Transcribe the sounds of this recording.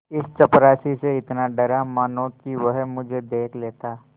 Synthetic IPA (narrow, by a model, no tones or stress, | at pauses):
ɪst͡ʃɐpɾaːsiseɪt̪naɖɐɾamaːnõkiʋəɦmʊd͡ʒʱed̪eːkʰleːt̪aː